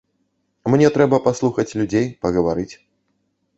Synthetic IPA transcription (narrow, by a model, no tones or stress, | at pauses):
mnʲɛt̪ɾɛbɐpaslˠuxɐt͡sʲlʲud͡zʲejpɐɣɐvaɾɨt͡sʲ